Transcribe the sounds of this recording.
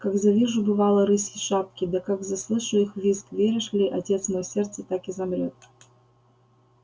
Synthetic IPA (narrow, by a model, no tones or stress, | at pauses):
kaɡzɐvʲiʐʊbɨvalˠəɾɨsʲɪʂapkʲɪd̪ɐkaɡzɐslˠɨʂɨixvʲiskvʲeɾʲɪʂlʲiʔɐtʲe̞t̪smojsʲert̪sət̪akɪzɐmɾʲot̪̚